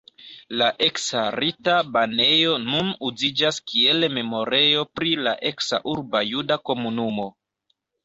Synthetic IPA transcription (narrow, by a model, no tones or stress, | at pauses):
laʔe̞ksaɾitabane̞jo̞nunuzid͡ʒaskie̞lme̞mo̞ɾe̞jo̞pɾila̰ʔe̞ksa̰ʔuɾbajudako̞munumo̞